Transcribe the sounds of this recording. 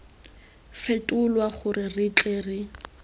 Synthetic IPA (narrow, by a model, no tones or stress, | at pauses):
fetʼʊlwaχʊrɪrɪt͡ɬʼeːrɪ